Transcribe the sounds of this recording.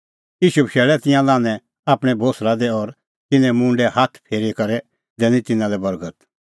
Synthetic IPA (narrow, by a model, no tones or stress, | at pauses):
jiːʃubʃɛːɭɛt̪ɪ̃jãlãːnɛ̃ | aːpɽ̃ɛbʱoːsɾad̪ɛɔɾ | t̪ɪnɛ̃mʊ̃ɳɖɛhat̪ʰpʰeːɾikɐɾɛ | d̪ɛːnĩt̪ɪnãlɛbɐɾɡət̪